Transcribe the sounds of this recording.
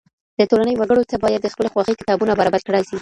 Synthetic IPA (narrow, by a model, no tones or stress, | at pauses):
d̪ət̪olanəjwaɡəɽot͡sabɑjad̪ːəxpəloxwɑxikɪ̥t̪ɑbunabaɾɑbaɾkɽajsi